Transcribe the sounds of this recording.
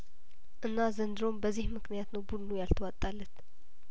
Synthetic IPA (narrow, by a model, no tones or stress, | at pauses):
ʔɨnːazənd̪ɨɾo̞mbəzːihmɨknijat̪nəwbud̪nujalt̪ʰəwat̪ʼːalːət̪